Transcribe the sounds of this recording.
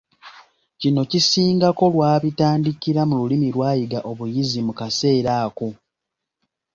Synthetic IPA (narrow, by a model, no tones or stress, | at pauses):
cino̞cisiːŋɡako̞lwaːβitaːndikiɾamululimilwaːjiɡaʔo̞βujizimukase̞ːɾaːko̞